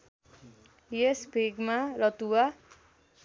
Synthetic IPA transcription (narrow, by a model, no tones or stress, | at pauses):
jesbʱeɡmaɾʌt̪uwa